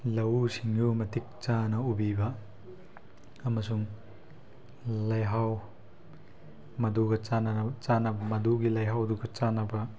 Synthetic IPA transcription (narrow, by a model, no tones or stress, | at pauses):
lɐwsiŋjumɐtik̚t͡ʃanɐubibɐ | ɐmɐsuŋ | lɐjɦaw | mɐduɡɐt͡ʃanɐt͡ʃanɐbɐmɐduɡilɐjɦawduɡɐt͡ʃanɐbɐ